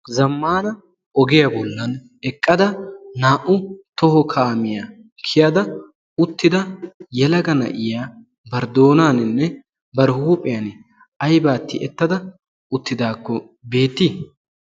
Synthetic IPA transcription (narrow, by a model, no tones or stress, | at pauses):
zɐmːaːnɐ | ɔɡɪjɐbɔlːɐn | ɛkʼːɐd̪ɐnaːʔʊt̪ɔɦɔkʰaːmɪja | kʰɪjɐd̪ɐ | ʊt̪ːɪd̪ɐjɛlɐɡɐnɐ̰ʔɪjaː | bɐɾd̪o̞ːnaːnɪnːɛ | bɐɾhuːpʼːɪjɐn | ɐjbaːt̪ːɪ̰ʔɛt̪ːɐd̪ɐ | ʊt̪ːɪd̪aːkːɔ | be̞ːt̪ːi